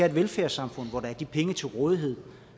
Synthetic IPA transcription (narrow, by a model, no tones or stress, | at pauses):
æɐ̰ed̥ʋelfæɐsɑ̈mfɔ̽n̰ʋɒd̥ɑ̈æɐd̥ipʰeŋət͡sʰe̝lʁɔːð̞ˠiɦe̝ð̞̰ˠ